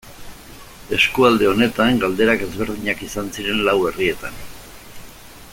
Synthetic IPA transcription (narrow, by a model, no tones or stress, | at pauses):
e̞skuald̪e̞o̞ne̞t̪aŋɡald̪e̞ɾake̞zβe̞ɾðiɲakisansiɾe̞nlawe̞rie̞t̪an